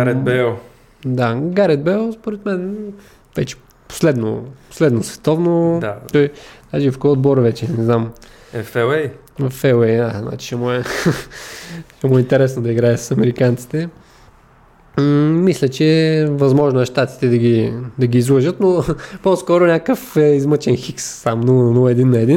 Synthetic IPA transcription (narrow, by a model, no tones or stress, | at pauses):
ɾɛbɛ | d̪aɡaɾɛd̪̚bɛlˠspoɾɛt̪mɛn | vɛt͡ʃɛ̥ | po̥slɛd̪no̰po̥slɛd̪nosvɛ̥t̪ɔvnoat̪ɔjd̪aʒifkɔod̪̚bɔɾvɛt͡ʃɛnɛznam | ɛfɛɛj | vɐfɛlɛjd̪azna̰t͡ʃi̥ʃɛmuɛ | ʃɛmuɛint̪ɛɾɛsnod̪ɐiɡɾaɛsɐ̥sɐmɛɾikant̪si̥t̪ɛ | mislʲɐt͡ʃɛvɐzmɔʒnoɛʃt̪at̪i̥t̪ɛd̪ɐɡʲid̪ɐɡʲiːzlˠəʒət̪noposkɔɾʊnʲakəfɛizmət͡ʃɛnxiksːamnunɔɛd̪inːɐɛd̪in